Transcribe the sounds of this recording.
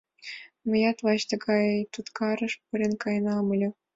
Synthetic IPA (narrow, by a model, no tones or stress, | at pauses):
mɘ̆jɑt̪ʋɑɕt̪ɤ̆ɡɑjejt̪ut̪kɑɾɤ̆ʂpuɾʲĕnkɑjnɑmɤ̆lʲɘ̆